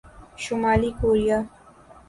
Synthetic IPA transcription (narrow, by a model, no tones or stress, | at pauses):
ʃʊmaːlikoːɾija